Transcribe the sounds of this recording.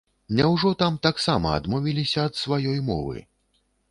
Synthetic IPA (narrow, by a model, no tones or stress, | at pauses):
nʲɛwʐɔt̪amt̪aksamɐɐ̰d̪mɔvʲilʲisʲɐːt̪svajɔjmɔ̰vɨ̰